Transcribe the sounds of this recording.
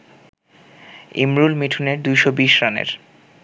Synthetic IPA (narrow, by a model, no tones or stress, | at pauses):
ḭmɾulmiʈʰuneɾd̪ujʃobiʃɾanḛɾ